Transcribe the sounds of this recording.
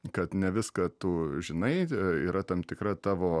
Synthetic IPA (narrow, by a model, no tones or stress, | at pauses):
kɐt̪nʲɛʋʲɪskɐt̪ʊʒʲɪnɐɪiːɾɐt̪ɐmt̪ʲɪkɾɐt̪ɑːʋoː